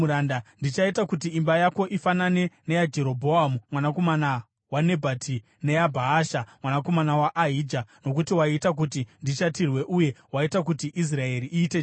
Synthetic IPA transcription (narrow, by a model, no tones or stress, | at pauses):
uɾandandit͡ʃaitakutiːmbajako̞ʔifanane̞nejad͡ʒe̞ɾo̞bʱo̞amumwanako̞mana | wane̞bʱati | ne̞abʱaːʃamwanako̞manawaʔaɦiːd͡ʒano̞k̬utiwaitak̬utindiʃatirwe̞ʔuje̞waitak̬utiʔis̬rae̞ɾiʔiːte